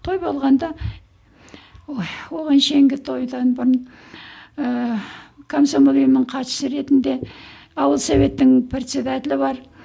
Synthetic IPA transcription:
t̪ʰo̞jbo̞lˠʁɑnd̪ɑ | wo̞ʁɑnʃe̞ŋɡʲɪt̪ʰo̞jd̪ɑnbʊɾn | kʰomsomolijmnəɴqʰɑʃə̥səɾe̞t̪ɪnd̪e̞ | ɑwəlˠsove̞t̪ːɪŋpʰɾʲe̞t̪sʲed̪at̪ʲɪlɪbɑɾ

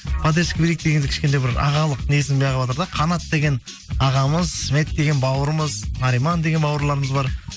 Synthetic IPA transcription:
pʰɑd̪eskʲbiɾek̚d̪eɡeŋd̪ɪɪ̥ʃkʲed̪ejbɪɾɑ̰ʁɑlˠəqnesɪnbejɑʁɑbot̪əɾd̪ɑqʰɑnɑt̪d̪e̞ɡʲe̞n | ɑʁɑməzsme̞t̪̚d̪e̞ɡʲe̞nbɑwəɾəməznɑɾijmɑnd̪eɡe̞nbɑwəɾlˠɑɾəməzbɑɾ

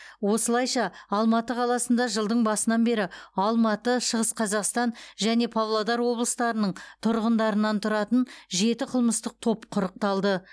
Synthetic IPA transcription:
wo̞səlˠɑjʃɑːlˠmɑt̪əqʰɑlˠɑsənd̪ɑʒəlˠd̪əɴbɑsənɑnbe̞ɾɪɑlˠmɑt̪əʃəʁəsqʰɑzɑqst̪ɑnʒæne̞pʰavlˠod̪ɑɾwo̞blˠəst̪ɑɾənəɴt̪ʰʊɾʁənd̪ɑɾənɑnt̪ʰʊɾɑt̪ənʒe̞t̪ɪqʰəlˠməst̪əq̚t̪ʰo̞pqʰʊɾəq̚t̪ɑlˠd̪ə

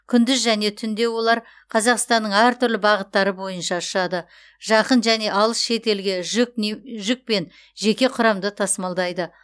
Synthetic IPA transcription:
kʲʰʏnd̪ɪzʒæne̞t̪ʰʏnd̪e̞wo̞lˠɑɾ | qʰɑzɑqst̪ɑnːəɴæɾt̪ʰʏɾlɪbɑʁət̪ːɑɾəbo̞jənʃɑʃɑd̪ə | ʒ̥ɑqənʒæne̞ʔɑlˠəsʃe̞t̪e̞lɡʲeʒʒʏk̚pe̞n | ʒe̞kʲe̞qʰʊɾɑmd̪ət̪ʰɑsmɑlˠd̪ɑjd̪ə

